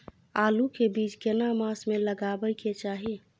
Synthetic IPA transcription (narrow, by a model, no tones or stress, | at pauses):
aːlukebiːt͡ʃkenamaːsmẽləɡaːbəjket͡ʃaːɦi